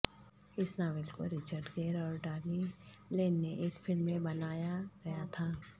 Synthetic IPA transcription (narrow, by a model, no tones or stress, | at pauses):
ɪsnaːʋɛlko̰ɾɪt͡ʃəɾɖɡeːɾɔːɾɖaːɾmilẽːnːeʔeːkfɪlmːẽbɐnaːjaɡɐjat̪ʰaː